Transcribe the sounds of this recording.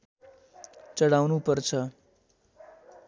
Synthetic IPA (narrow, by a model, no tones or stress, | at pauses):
t͡ʃəɽawnupəɾt͡ʃʰə